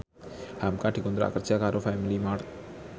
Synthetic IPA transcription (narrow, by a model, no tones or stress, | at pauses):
hamkaɖikɔnd̪ɾa̰kərd͡ʒakaɾofɛmilimart̪̚